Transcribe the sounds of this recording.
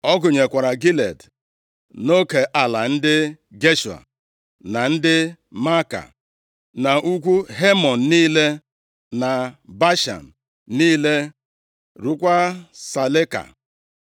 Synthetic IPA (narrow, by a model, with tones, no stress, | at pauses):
ɔ˦ɡʊ˨ɲe˨kʷa˨ɾa˨ɡi˦lḛ˨d | no˦ke˨ʔa˨la˨n̩˦dɪ˦ | ɡe˦ʃu˨a̰˨ | na˨n̩˦dɪ˦ | ma˦ka̰˨ | na˨ʔu˦kʷu˦ɦe˦mɔ˨n̩˨niː˦le˦ | na˨ba˦ʃa̰˨n̩˨ | niː˦le˦ | ɾu˦kʷa˦sa˨le˦ka̰˨